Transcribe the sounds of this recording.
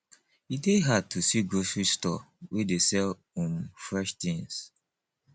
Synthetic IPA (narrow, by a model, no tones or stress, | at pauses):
ideɦatusiɡosɹistɔ̰wʔedesɛl | ũmfɹɛʃtĩŋs